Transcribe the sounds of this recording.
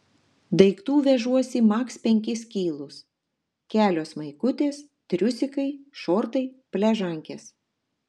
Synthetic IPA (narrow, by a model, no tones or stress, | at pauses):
d̪ɐɪkt̪uːʋʲɛʒuɔsʲimɑːkspʲɛŋʲkʲɪsʲkʲiːlˠʊs | kʲæːlʲoːsmɐɪkʊt̪ʲeːs | t̪ʲɾʲʊsʲɪkɐɪʃoːɾt̪ɐɪpʲlʲɛʒɐŋʲkʲeːs